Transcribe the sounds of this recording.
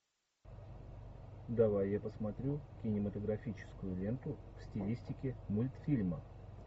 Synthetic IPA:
d̪ɐvajːapəsmɐt̪ɾʲukʲɪnʲɪmət̪əɡɾɐfʲit͡ɕɪ̥skʊjʊlʲe̞nt̪ʊfsʲtʲɪlʲisʲtʲɪkʲɪmulʲt̪fʲilʲmə

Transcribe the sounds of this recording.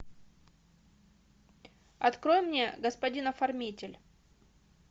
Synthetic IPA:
ɐt̪kɾojmnʲe̞ɡəspɐdʲinɐfɐrmʲitʲɪlʲ

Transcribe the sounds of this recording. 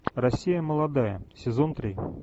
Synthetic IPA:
rɐsʲːijəməlˠad̪ajə̰sʲɪzont̪ɾʲi

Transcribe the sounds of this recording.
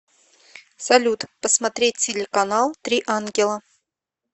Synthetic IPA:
salʲut̪pəsmat̪ɾʲet̚ʲtʲɪlʲɪkanɑlˠt̪ɾʲiʔanɡʲɪlˠə

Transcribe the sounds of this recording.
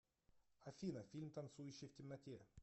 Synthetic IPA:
ɐfʲinəfʲilʲmt̪ɐnt̪sujʉɕːɪjftʲɪmnɐtʲe

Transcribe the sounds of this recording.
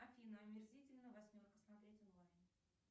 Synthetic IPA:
ɐfʲinɨɐmʲɪrzʲitʲɪlʲnəvɐsʲmʲorkəsmɐt̪ɾʲetʲɔnlˠajn

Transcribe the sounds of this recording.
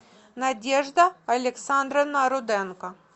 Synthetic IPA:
nɐdʲeʐd̪əɐlʲɪksand̪ɾənɐɾʊd̪ɛnkə

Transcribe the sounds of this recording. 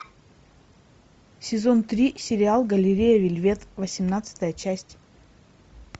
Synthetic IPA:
sʲɪzo̞nt̪ɾʲisʲɪɾʲɪalˠɡəlʲɪɾʲejəvʲɪlʲvʲe̞t̪vəsʲɪmnat̪sɨ̥t̪əjət͡ɕæsʲtʲ

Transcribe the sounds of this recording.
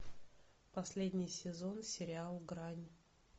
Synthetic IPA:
pɐsʲlʲedʲnʲɪjsʲɪzo̞nsʲɪɾʲɪalˠɡɾanʲ

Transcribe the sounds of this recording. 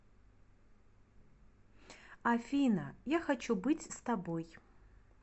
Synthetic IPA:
afʲinajaxat͡ʃubɨtʲst̪aboj

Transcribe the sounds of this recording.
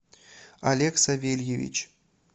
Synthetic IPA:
alʲeksavʲelʲjevʲḭt͡ɕ

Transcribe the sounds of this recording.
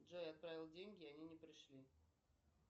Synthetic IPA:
dʐojɐt̪̚pɾavʲɪlˠdʲenʲɡʲɪɐnʲinʲɪpɾʲɪʂlʲi

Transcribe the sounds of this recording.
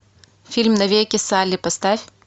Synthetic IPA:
fʲilʲmnɐvʲejkʲɪsalʲːipɐst̪afʲ

